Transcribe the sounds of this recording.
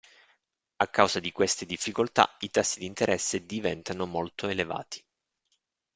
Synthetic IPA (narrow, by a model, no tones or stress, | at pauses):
akːawzad̪ikwest̪ed̪ifːikolt̪a̰it̪asːid̪int̪eɾʔɛsːed̪ivɛnt̪anomolt̪oeleva̰ːt̪i̥